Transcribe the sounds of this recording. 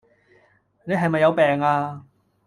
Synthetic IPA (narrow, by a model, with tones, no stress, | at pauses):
ne˨˧jɦɐ˨jmɐ˨jːɐ˨˧wpɛː˨ŋaː˧